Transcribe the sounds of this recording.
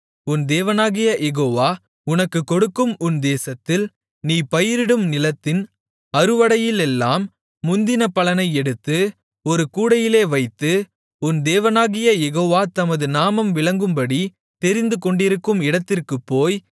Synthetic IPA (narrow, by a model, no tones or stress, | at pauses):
ʊnd̪eːʋɐnaːɣɪjɐjɛɣoːʋaː | ʊnɐkːɯkːɔɽɯkːɯmʊnd̪eːsɐt̪ːɪl | niːpɐjɪɾɪɽɯmnɪlɐt̪ːɪn | ɐɾɯʋɐɽɐjɪlɛlːaːmː | ʊnd̪ɪnɐpːɐlɐnɐɪɛɽɯt̪ːɯ | ɔɾɯkuːɽɐjɪleːʋɐɪt̪ːɯ | ʊnd̪eːʋɐnaːɣɪjɐjɛɣoːʋaːt̪ɐmɐðɯnaːmɐmʋɪɭɐŋɡɯmbɐɽi | t̪ɛɾɪnd̪ɯkɔɳɖɪɾɯkːɯmɪɽɐt̪ːɪrkɯpːoːj